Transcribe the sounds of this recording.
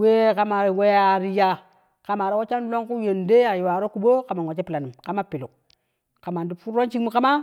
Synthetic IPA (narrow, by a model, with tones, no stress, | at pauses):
we˦ka˦ma˨ɾwe˦ja˦˨ɾi˦ja˦˨ | ka˨ma˨ɾi˦wo˦t͡ʃa˦n˦lo˦ŋku˦je˨nde˦a˨jo˨wa˨ɾo˦ku˨ɓo˦ka˨ma˨ŋ˨o˨t͡ʃe˦pi˨la˨ni˨mka˦ma˦pi˨lu˨ | ka˨ma˨ndu˦fu˦ɾo˦nt͡ʃi˦kmu˦ka˦ma˦